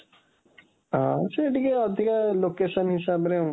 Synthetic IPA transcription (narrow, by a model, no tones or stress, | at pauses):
ɦãseeʈikeɔd̪ʱikalokeʃənɦisabɾẽ